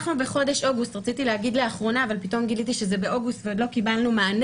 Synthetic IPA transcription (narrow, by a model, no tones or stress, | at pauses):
χnubeχo̞de̞ʃʔo̞ɡust̪ʁat͡sit̪ileaɡid̪leaχʁo̞naːvalpit̪o̞mɡilit̪iʃezebe̞ʔo̞ɡustveod̪lo̞kibalnumaːn